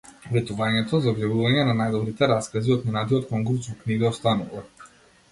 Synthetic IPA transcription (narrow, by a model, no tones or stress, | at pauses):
vɛt̪uvaɲɛt̪ɔzaɔbjavuvaɲɛnanajd̪ɔbɾit̪ɛɾaskaziɔt̪mɔnad̪iɔt̪kɔŋɡɾut͡ʃ̪vɔkniɡaɔst̪anuva